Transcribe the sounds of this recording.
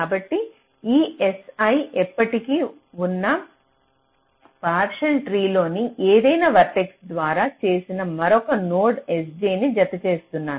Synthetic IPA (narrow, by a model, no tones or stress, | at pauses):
kaːbɐʈːi | iːesɐjɛpːɐʈiki | unːɐ | paːɾʃɐlʈɾiːlo̞ːniʔeːd̪ɐjnɐʋɐɾʈeksd̪ʋaːɾaːt͡ʃe̞ːsinɐmɐɾɔkɐnoːɖes̬d͡ʒeːnid͡ʒɐt̪ɐt͡ʃe̞ːst̪unːaːɾu